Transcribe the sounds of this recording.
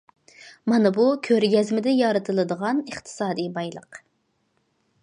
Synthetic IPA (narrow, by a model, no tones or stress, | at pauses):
mɑnɨbukʲʰøɾɡʲɛzmɪd̪ɪjɑɾɨt̪ʰɨlˠɨd̪əʁɑnəχt̪ʰɨ̥sɑːd̪ijbɑjlˠə̰q